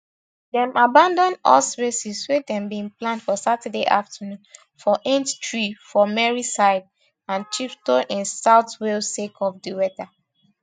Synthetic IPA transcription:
dɛ̃mabãndɔ̃nɔsɹesiswedɛ̃mbĩŋplãndfɔsatɛdeʔa̰ftənũn | fɔʔẽnttɹifɔmɛɹisaɪd̚ | ãnt͡ʃiptɔ̃nʔĩnsaʊtwelsekʰɔfdiwɛta

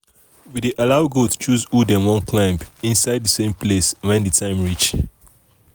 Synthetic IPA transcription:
wideʔalaʊɡott͡ʃuzudɛ̃nwɔ̃nkʰlãɪ̃mpĩnsaɪd̚dəsẽmpʰleswɛ̃nditʰãɪ̃mɹit͡ʃ

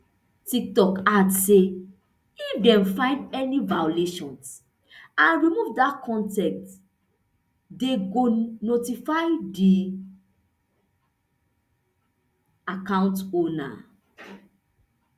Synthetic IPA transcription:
tik̚tɔkatse | ifdɛ̃mfãɪ̃ndɛnivajoleʃɔ̃ns | ãnɹimuvdakʰɔ̃ntɛ̃k̚t | deɡonotifaɪdi | akãʊ̃ntona̰

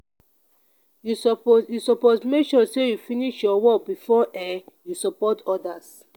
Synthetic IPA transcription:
juspjusɔpɔtmekʃɔsejufiniʃjɔwɔkbifɔʔɛjusɔpɔtɔdas

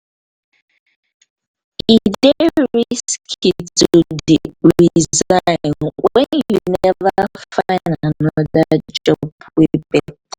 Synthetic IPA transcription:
ideɹiiskʰituɹizaɪnwɛnjunɛvafaɪnanɔðad͡ʒɔbwebe

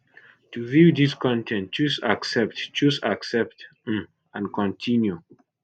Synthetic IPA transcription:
tuvidiskɔ̃ntʰɛ̃ntt͡ʃusaksɛp̚tt͡ʃusaksɛp̚t | ãnkʰɔ̃ntʰĩnju

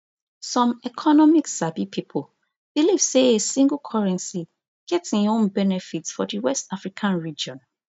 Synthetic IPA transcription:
sɔ̃mɛkʰɔnɔmiksabipʰipʰɔl | b̥iliv̥seesĩŋɡˠkʰɔɹɛ̃nsi | ɡ̥ɛtĩnõnbɛnɛfitsfɔdiwɛstafɹikʰãnɹid͡ʒɔ̃n

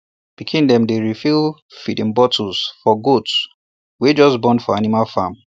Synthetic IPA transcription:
b̥ikʰĩndɛ̃mdeɹifil | fidĩmbɔtʰusfɔɡots | wed͡ʒɔsbɔ̃ndfɔanimalfam

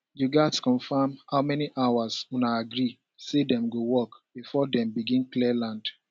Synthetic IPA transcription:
juɡatskɔ̃ɱfamhaʊmɛniʔawaswũnaaɡɾi | sedɛ̃mɡowɔkb̥ifɔdɛ̃mbiɡĩnkliɛlãnd

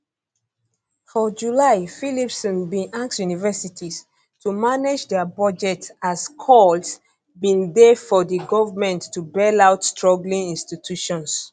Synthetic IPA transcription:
fɔd͡ʒulaɪfilipsɔ̃nbĩʔãŋksjunivɛsitʰis | tumaned͡ʒdɛbɔd͡ʒɛtaskʰɔls | bĩndefɔdəɡɔvəmɛ̃ntːubɛlaʊtstɹɔɡlĩŋĩnstitʰjuʃɔ̃ns

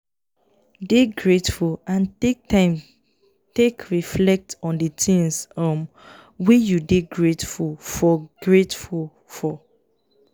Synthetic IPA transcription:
deɡɹetfulãntek̚tʰãɪ̃m | tekʰɹiflɛk̚tɔ̃ndətʰĩŋsɔm | wijudeɡɹetfulfɔɡ̥ɹetful | fɔ

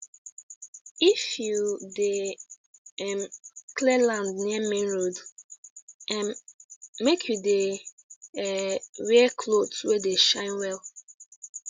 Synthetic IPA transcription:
ifjude | ɛmkʰlɛlãndniamẽnɹod | ɛ̃mː | ekʰjude | ɛɹɛkʰlodswɛdeʃãɪ̃nwɛl

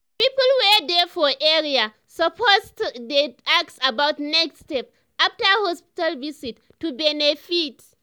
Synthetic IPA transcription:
pipɔlwɛdɛfɔʔɛɾia | sɔpʰoztdeʔaksabawtnɛksstɛp̚ | ʔaftəhɔspi̥talvisitːubɛnefit

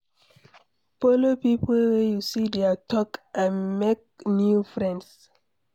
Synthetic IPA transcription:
folopipolwɛjusidɛatɔkãmek̚njufɹɛ̃nds

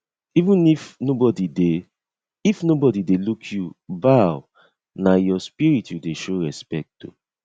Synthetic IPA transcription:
ivũnifnobɔdide | ifnobɔdidelukʰjubaw | najɔspiɹitjudeʃoɹɛspɛk̚tːṵ

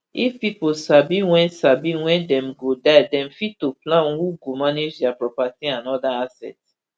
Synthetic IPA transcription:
ifpiposabiwɛ̃nsabiwɛ̃ndɛ̃mɡodaɪdɛ̃mfittːoplãnhuɡomaned͡ʒdjapɹɔpatiãnɔdaasɛ̰t

